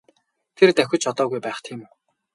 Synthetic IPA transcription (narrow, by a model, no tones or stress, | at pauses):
t̪ʰert̪æxʲʊ̆t͡ɕɔt̪ɔːɣujpæːχt̪ʰiːm